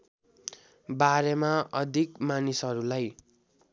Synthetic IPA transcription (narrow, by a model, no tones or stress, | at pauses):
baɾemaʌd̪ʱikmanisʌɾulaj